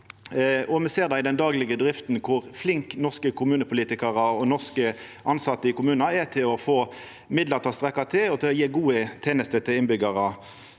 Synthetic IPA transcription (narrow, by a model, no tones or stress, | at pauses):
ɔmɛseːʁd̪ɑɪd̪ɛnd̪ɑːɡlɪɡəd̪ʁɪft̪nkʰʊʁflɪŋknɔʁskəkʰʊmʉːnəpʰʊliːt̪ɪkɑʁəɔnɔʁskəʔɑnsɑt̪ːəɪkʊmʉːnɑɛt̪ʰɪlɔfoː | mɪd̪ləʁt̪ʰɑːst̪ʁɛkːɑt̪ʰɪlɔt̪ʰɪlɔjeːɡuːət̪ʰeːnəst̪ət̪ʰɪlɪnbʏɡɑʁɑ